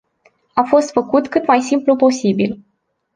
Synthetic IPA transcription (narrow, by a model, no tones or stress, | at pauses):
afo̞st̪fəkut̪kɨt̪majsimplupo̞sibil